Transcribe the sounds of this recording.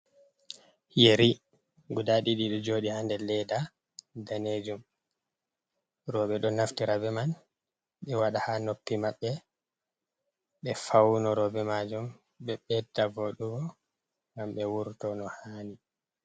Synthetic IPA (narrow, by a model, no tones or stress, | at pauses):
jeɾi | ɡudaɗiɗiɗɔd͡ʒoːɗihandɛlɛda | daned͡ʒum | ɾɔɓɛɗɔnaftiɾabɛman | ɓɛwaɗahanopːimaɓːɛ | ɓɛfawnɔɾɔbɛmad͡ʒum | ɓɛɓɛtːavoɗuɡɔ | ŋɡamɓɛwuɾtɔnɔhaːni